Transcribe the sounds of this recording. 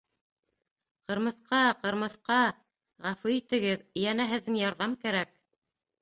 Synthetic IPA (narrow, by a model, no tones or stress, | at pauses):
qɤ̆ɾmɤ̆θqɑqɤ̆ɾmɤ̆θqɑ | ʁæfʉit̪ɘ̆ɡɘðjænæɦɘ̆ðːɘŋjɑɾðɑmkæɾæk